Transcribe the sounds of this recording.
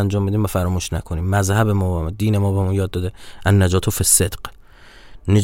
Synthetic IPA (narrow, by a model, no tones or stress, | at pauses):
ænd͡ʒɒːmbid̪iːmvæfæɾɒːmuːʃnæ̰kʰoniːmːæzhæbemɔːbemd̪iːnemɔːbemɔːnjɒːd̪̚ːɒːd̪eʔænːæd͡ʒɒːt̪ʰofesːed̪q | ne